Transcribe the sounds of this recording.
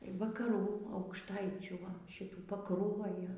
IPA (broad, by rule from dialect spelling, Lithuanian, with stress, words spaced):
ʋɐkɐˈruː ɐʊkʃˈtɐɪt͡ʃʲuː ˈʋɐ ʃʲɪˈtuː pɐkˈruɔjoː